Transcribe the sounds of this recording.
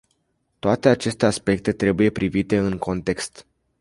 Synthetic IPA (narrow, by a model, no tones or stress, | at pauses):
t̪oat̪e̞at͡ʃe̞st̪e̞aspe̞k̚t̪e̞t̪ɾe̞buje̞pɾʔivit̪e̞ɨŋko̞nt̪e̞kst̪